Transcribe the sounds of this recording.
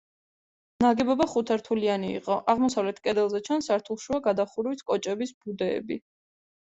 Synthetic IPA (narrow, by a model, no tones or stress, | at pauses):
naɡɛbɔbaχut̪ʰaɾt̪ʰulianiḭqʼɔʔaʁmɔsavlɛt̪ʰkʼɛd̪ɛlˠzɛt͡ʃʰansaɾt̪ʰulˠʃuaɡad̪aχuɾwit̪ʰkʼɔt͡ʃʼɛbisb̥ud̪ɛ̰ːbi